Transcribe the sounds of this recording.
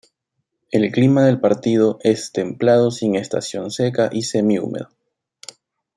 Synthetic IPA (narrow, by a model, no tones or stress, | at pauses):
e̞lklimaðe̞lpaɾt̪ið̞oʔe̞st̪e̞mplað̞o̞siŋe̞st̪a̰sjo̞nse̞kaʔise̞miṵmḛðo